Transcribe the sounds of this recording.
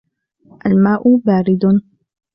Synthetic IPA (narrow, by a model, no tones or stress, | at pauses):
ʔalmaːʔʊbaːɾɪd̪